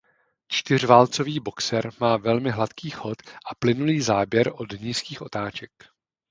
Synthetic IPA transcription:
t͡ʃt̪ɪr̝vaːlt͡so̞viːbo̞ksɛɾmaːvɛlmɪɦlat̪kiːxo̞t̪ʔaplɪnuliːzaːbjɛɾʔo̞dɲiːskiːxʔo̞t̪aːt͡ʃɛk

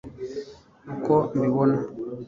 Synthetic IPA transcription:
kɔmbiβɔna

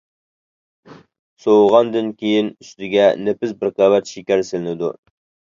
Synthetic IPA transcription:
sowʁɑnd̪ɨnkʲʰejinyst̪ɪɡʲɛnepɪsbɪɾqɑwɛt̪ʃikʲæɾsɪlɪnɪd̪ṵ

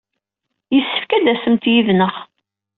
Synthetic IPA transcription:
jəsːə̥fkæd̪æsəmt̪jiðnəχ

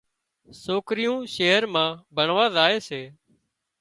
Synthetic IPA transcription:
soːkɾɪjũːʃeːɦəɾmãːbʱəɳʋaːzaːeːseː

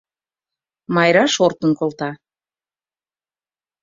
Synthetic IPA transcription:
mɑjɾɑʃort̪ənkolˠt̪ɑ

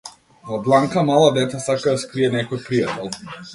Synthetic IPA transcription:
vɔblˠaŋkamalˠad̪ɛt̪asakad̪askɾiɛnɛkɔjpɾijat̪ɛlˠ

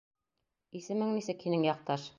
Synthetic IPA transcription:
isɘ̆mɘŋnisɘkhinɘŋjɑq̚t̪ɑʃ

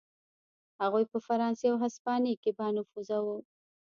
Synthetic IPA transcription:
haɣujpəfaɾɑnseawɦaspɑnekebɑnʊfuzawu

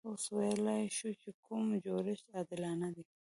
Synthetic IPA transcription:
oswajalajʃut͡ʃekumd͡ʒoɾɪʃɑd̪ɪlɑnad̪i

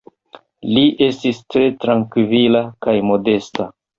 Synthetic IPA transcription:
liʔe̞stistɾe̞tɾaŋkvilakajmo̞de̞sta

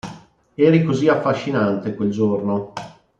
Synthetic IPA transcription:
ɛːɾikoziafːaʃːinant̪ekweld͡ʒorno

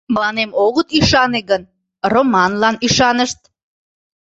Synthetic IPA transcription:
məlɑnemoɣət̪yʃɑneɣən | romɑnlɑnyʃɑnəʃt̪̚

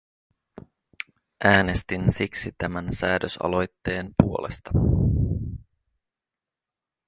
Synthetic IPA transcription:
ʔæːne̞st̪insiksit̪æmænsæːdøsɑ̰lo̞jt̪ːe̞ːnpuo̞le̞st̪ɑ

